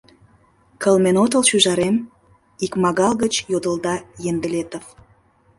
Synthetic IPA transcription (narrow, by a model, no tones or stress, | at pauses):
kəlmenot̪əlʃyʒɑɾem | ikmɑɣɑlɣət͡ɕjod̪əld̪ɑjend̪əlet̪əf